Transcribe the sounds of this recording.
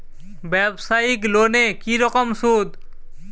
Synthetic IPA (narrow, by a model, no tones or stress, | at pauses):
bɛbsaiklonekiɾɔkɔmsud̪